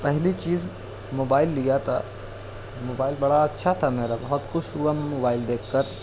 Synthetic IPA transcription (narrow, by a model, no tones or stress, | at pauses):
pɛɦlit͡ʃiːz | moːbaːɪlːijat̪ʰa̰ | moːbaːɪlbɐɽaɐtːʃʰat̪ʰameːɾabɐɦɔt̪xʊʃuːamːoːbaːɪld̪eːkʰːɐɾ